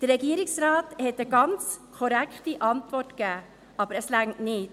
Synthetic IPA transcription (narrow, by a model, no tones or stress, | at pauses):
d̥ərɾɛɡiːəɾɪksɾɑːthɛtəɡɑnt͡skʰɔɾækχtiʔɑntvɔrtkæː | ʔɑbəɾəslæŋtnɪːt